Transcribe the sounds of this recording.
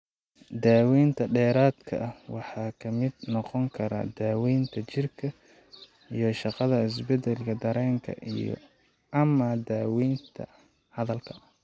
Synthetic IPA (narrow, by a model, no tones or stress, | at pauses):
d̪aːwiːnt̪ʰɐɖɛːɾaːd̪kʰɐ̰ʔɐwɑħɑːkʰɐmɪd̪nɔqɔŋkʰɐɾa̰d̪aːwiːnt̪ʰɐt͡ʃɪrkʰɐ | ijɞʃɑqɑðɐɪs̬bɛd̪ɛlkʰɐd̪ɐɾɛːŋkʰɐ̰ʔijɔ̰ | ɐmɐd̪aːwiːnt̪ʰɐ̰ | hɐðɐlkʰɐɐ